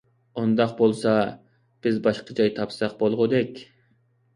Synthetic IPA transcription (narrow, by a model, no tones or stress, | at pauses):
ond̪ɑq̚bolˠsɑ | b̥ɪzbɑʃqəd͡ʒɑjt̪ʰɑpsɑq̚bolˠʁʊd̪ɛkʲ